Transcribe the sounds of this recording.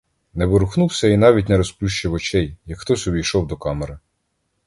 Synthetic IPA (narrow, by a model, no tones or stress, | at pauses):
nɛʋɪɾʊxnuwsʲɐin̪ɑʋʲitʲnɛɾɔsplʲuʃt͡ʃɪwɔt͡ʃɛjjɐkxt̪ɔsʲɔbʲijʃɔwd̪ɔkɑmeɾɪ